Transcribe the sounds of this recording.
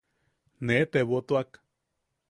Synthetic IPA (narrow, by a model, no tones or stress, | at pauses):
net̪eβot̪oak